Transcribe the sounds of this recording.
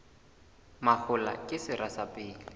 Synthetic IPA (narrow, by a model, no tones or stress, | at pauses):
mak͡xʰʊla̰kʼɪsɪɾasapʼɪːlɪ